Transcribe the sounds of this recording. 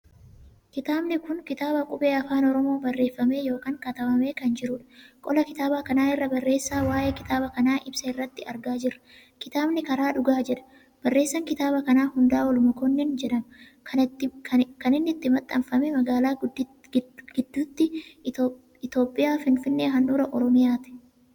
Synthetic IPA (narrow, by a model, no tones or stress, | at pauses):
kɪt̪aːbnɪkʊŋkɪt̪aːbɐkʼʊbe̞ːɐfaːnɔɾɔmo̞ːbɐrːe̞ːfːɐme̞ːjo̞ːkaːŋkɐt̪ɐmɐmeːkɐnd͡ʒɪɾʊᶑɐ̥kʼɔlɐkɪt̪aːbaːkɐnaːɪrːɐbɐrːe̞ːsːaːwaːjeːkɪt̪aːbɐkɐnaːʔɪbsɐɪrːɐt̪ːɪɐɾɡaːd͡ʒɪrːɐ̥ | kɪt̪aːbnɪkɐɾaːᶑʊɡaːd͡ʒɛᶑɐ̥ | b̥ɐrːe̞ːsːɐŋkɪt̪aːbɐkɐnaːhʊnd̪aːwɐlʊmɐkɔnːɛnd͡ʒɛᶑɐmɐ | kɐnɪnːɪt̪ːɪmɐt̪ʼːɐmfɐmemɐɡaːlaː | ɡ̥ɪd̪ːuːt̪ːɪ | ɪt̪o̞ːpʼːɪjaːfɪnfɪnːeːɦɐnᶑuːɾɐʔɔɾɔmɪjaːt̪ɪ̥